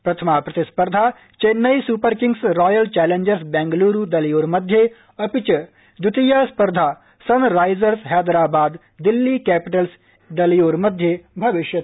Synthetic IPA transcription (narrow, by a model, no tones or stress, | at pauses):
pɾɐt̪ʰɐmaːpɾɐt̪ɪspəɾd̪ʱaː | t͡ʃeːnːɐjsuːpəɾkɪ̃ŋɡsɾɔːjəlt͡ʃɛːlẽɲd͡ʒəɾsbɛ̃ːŋɡluːɾud̪ɐljoːɾmɐd̪ʱjə | ɐpɪt͡ʃɐ | d̪ʊt̪ijaspɐɾd̪ʱaː | sɐnɾaːɪzəɾsɦɛːd̪ɾaːbaːd̪ | d̪ɪlːiːkɛːpɪʈəls | d̪ɐljoːɾmɐd̪ʱjebʱɐʋɪʃjɐt̪